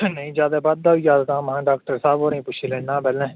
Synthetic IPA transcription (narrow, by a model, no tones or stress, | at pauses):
nəĩːd͡ʒjaːd̪aːbad̪̚ːaːijaːd̪kãːmɦãːɖaːk̚təɾsaːboːɾĩːpʊt͡ʃʰiːlẽːnãːbɛlɛ̃ː